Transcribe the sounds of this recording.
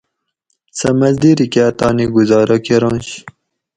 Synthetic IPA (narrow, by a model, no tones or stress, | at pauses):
sɐmɐzd̪iɾiket̪ɑːniɡuzɑːɾʔakeɾɑ̃ːɕ